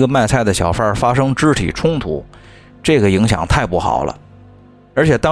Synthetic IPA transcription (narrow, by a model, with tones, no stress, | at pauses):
ɡə˧ma˥˩˧ɪt͡sʰa˥˩ɪd̪ə˩ɕjɑ˨˩ʊfə˞˥fa˥ʂɤ˥ŋʈ͡ʂɻ̩˥t̪ʰḭ˨˩ʈ͡ʂʰʊ˥ŋt̪ʰṵ˧˩ | ʈ͡ʂɤ˥˩ɡə˩i˧˥ŋɕjɑ̰˨˩ŋt̪ʰa˥˧ɪpu˥˩xɑ̰˨˩ʊlə̰˦ | ə˞˧˥t͡ɕʰjɛ˨˩t̪ɑ˥